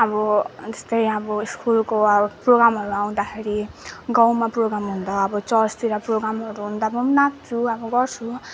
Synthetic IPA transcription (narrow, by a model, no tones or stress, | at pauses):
ʌbʌd͡ze̥st̪ʌjʌbʌiskulkoʌbproɡɾamɦʌɾuaw̃d̪akʰeɾiɡaw̃maproɡɾamɦund̪ʌːbʌt͡sʌlst̪iɾaproɡɾamʌɾuɦund̪amʌmnat̪ɾuʌbʌɡʌrt͡sʰu